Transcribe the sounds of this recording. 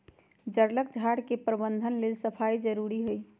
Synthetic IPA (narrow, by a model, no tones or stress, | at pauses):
d͡ʒəɾləkd͡ʒʱaɽkepɾəbənd̪ʱənlelsəpʰaid͡ʒəɾuɾiɦoj